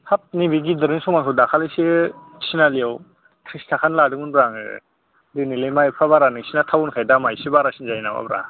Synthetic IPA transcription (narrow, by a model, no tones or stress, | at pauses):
hap̚nibiɡidɯɾɯnsumaŋsʰɔdakʰalese | sinaliaw | kʰɾistʰakʰanladɯmɯnbɾaŋɯ̰ | dinilejmajpʰaβaɾanɯŋsinatʰawunkʰajdamajsibaɾasinzajnaba̰bɾa̰